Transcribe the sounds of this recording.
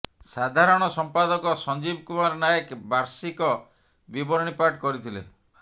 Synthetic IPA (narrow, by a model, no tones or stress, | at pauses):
sad̪ʱaɾɔɽ̃ɔsɔmpad̪ɔkɔsɔnd͡ʒibkumaɾnajekbaɾsikɔ | bibɔɾɔɽ̃ipaʈkɔɾit̪ʰilḛ